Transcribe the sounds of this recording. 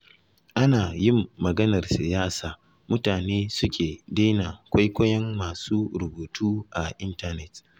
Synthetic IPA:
ʔa˦naː˨jɪ˦˨mːɐ˨ɡɐ˦nɐ˨rsɪ˨jaː˦saː˨ | mʊ˦taː˨neː˦sʊ˦kʲʰeː˨daː˦na˨kʷa˦jkʷɐ˦jɐ˦mːaː˨suː˦ɾʊ˨boː˨tʰuː˦ʔa˨ʔɪ˦ntɐ˦nɛ˨t

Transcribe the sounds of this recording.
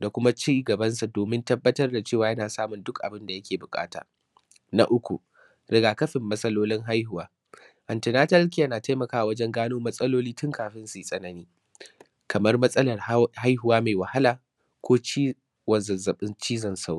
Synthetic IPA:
da˨kʷʊ˦ma˦t͡ʃiː˦ɡɐ˨bɐ˦nsa˨doː˨mɪ˦ntɐ˦bːɐ˦tɐ˦rda˨t͡ʃeː˦˨waː˨jɐ˦naː˨saː˦mʊ˨ndʊ˦kʔa̰˨bɪ˦nda˨jɐ˦kʲeː˨bʊ˨kʼa̰ː˦ta̰ː˨ | na̰˦ʔʊ˦kʷṵ˨ | ɾɪ˦ɡaː˨kɐ˦ɸɪ˨mːɐ˦sʼɐ˦loː˦lɪ˦ŋɦa˦jhʊ˨waː˦ | ʔɐ˨ntɪ˨naː˦tɐ˦lk̬ʲɪ˦ja˦naː˨ta˦jmɐ˨kaː˦ʔa˨wɐ˦d͡ʒɛ˦ŋɡaː˦noː˦mɐ˦sʼɐ˦loː˦liː˦tʊ˦ŋkʰaː˨ɸɪ˦nsiː˨sʼɐ˦nɐ˦niː˦ | kʰɐ˨mɐ˦rmɐ˦sʼɐ˦lɐ˨rha˦jɦʊ˨waː˦meː˨wɐ˨ha˦laː˨ | kʷʰoː˦t͡ʃi˦ | wɐ˨zɐ˨zɐ˨ɓɪ˦nt͡ʃiː˦zɐ˨nsa˦w

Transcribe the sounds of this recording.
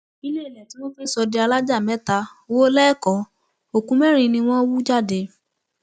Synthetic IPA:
i˧le˦i˨lɛ˨tĩ˨˦w̃ɔ̃˦fe˦sɔ˧de˧a˧la˦d͡ʒa˦˨mɛ̃˨˦ta˧wo˦lɛ˦ɛ˦˨kɔ˨˦ | o˨kũ˦mɛ˦ɾ̃ĩ˧nĩ˧w̃ɔ̃˦wu˦d͡ʒa˦˨de˨˧

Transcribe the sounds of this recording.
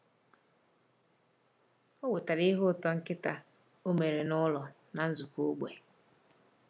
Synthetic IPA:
o˦we˨ta˨ɾi˦ɦʊ˦˨tɔ˦ŋ̩˦kɪ˦ta˨ | u˦me˨ɾe˨nʊ˦lɔ˨ | na˨n̩˦zu˨ko˦ɡ͡bʷḛ˨

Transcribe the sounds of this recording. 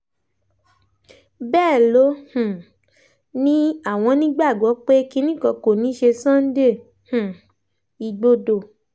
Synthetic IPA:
bɛː˦˨lo˨˦hũ˨ | nĩ˦a˦˨w̃ɔ̃˧nĩ˦ɡ͡ba˦˨ɡɔ˨˦k͡pe˦ki˦˧nĩ˦kɔ̃˧ko˨nĩ˨˦ʃe˧sɔ̃˦n̩˦de˦˨ | hũ˨ | i˧ɡ͡bo˦do˨

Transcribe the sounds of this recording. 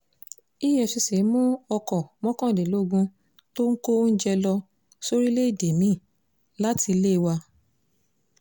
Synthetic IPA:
i˦˨jɛ˨ʃi˧si˨˦mũ˦ɔ˧kɔ˨mɔ̃˦kɔ̃˦˨de˨lo˦˧ɡũ˦ | to˦ŋ̩˦ko˦n̩˦d͡ʒɛ˧lɔ˧ | so˦ɾi˦le˦i˦˨de˨mĩ˨˦˨ | la˦ti˧le˦i˧wa˧

